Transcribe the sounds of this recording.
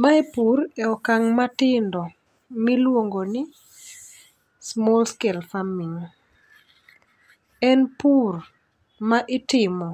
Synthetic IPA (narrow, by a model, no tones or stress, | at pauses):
maipuɾɛɔkaŋmatɪndɔ | milwoŋɡonɪ | smɔlskɛlfamiŋ | ɛnpur | maʔɪtɪmɔ